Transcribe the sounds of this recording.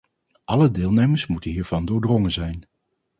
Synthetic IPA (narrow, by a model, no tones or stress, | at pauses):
ʔɑlədɪːlˠnejməɹsmutənɦiːɹv̥ɑndʊːɹdrɔŋənzɛjn